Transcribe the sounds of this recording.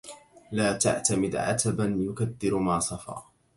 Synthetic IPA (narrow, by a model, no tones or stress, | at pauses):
laːt̪a̰ʕt̪amɪd̪ʕa̰t̪abanjʊkad̪ːɪɾmaːsˤɑfɑ̰ː